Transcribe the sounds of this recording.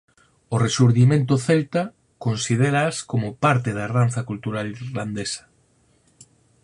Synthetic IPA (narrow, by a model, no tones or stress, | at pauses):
oresuɾðimẽnt̪̬oθelt̪a | konsið̞eɾaːskomopaɾt̪eðaranθakult̪uɾalirland̪esɐ̥